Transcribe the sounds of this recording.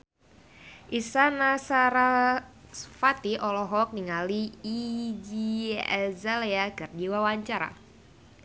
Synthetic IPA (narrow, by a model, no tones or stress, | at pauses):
ʔisanasaɾasfat̪iʔɔlɔɦɔk̚niŋaliː | d͡ʒiɛ̰zaleaɡardiwawaɲt͡ʃaɾa̰